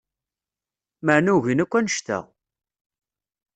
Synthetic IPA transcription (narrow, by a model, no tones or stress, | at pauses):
məʕnuʝinækʷːænəʃt̪æ̰